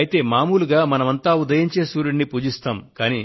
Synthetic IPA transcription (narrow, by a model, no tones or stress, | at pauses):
ɐjit̪e̞ːmaːmuːluɡaːmɐnɐmɐnt̪aːud̪ɐjɐmt͡ʃe̞ːsuːɾiɳːipuːd͡ʒist̪aːmkaːni